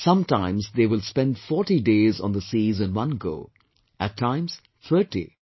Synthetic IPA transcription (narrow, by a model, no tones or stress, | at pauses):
sʌ̃mʈãɪ̃mzd̪eːʋɪlspɛ̃nɖfɔːʈiɖeːzɔ̰̃nd̪əsiːzɨ̃nwʌ̃nɡo̰ː | ʔæʈʰːãɪ̃mz̥ | t̪ʰəʈḭ